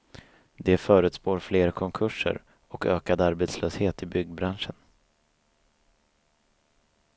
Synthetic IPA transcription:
d̪ɛfœːɾɵ̟ːt̪spoːɾfleːɾkʰɔŋkʰɵʂə̰ɾ | ɔkø̰ːkad̪aɾbeːt̪sløːsheːt̪ɪbʏɡːbɾanʂən

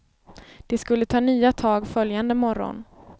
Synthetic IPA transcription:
d̪̥ɛskɵlːət̪ʰɑːnyːat̪ʰɑːɡfœljand̪əmɔɾɔ̰n

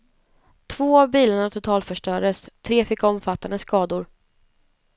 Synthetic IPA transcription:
t̪ʰvoːavbiːlaɳat̪ʰʊt̪ʰɑːlfœʂʈœːɖəst̪ʰɾeːfɪkːɔmfat̪ːand̪əskɑːd̪ʊɾ

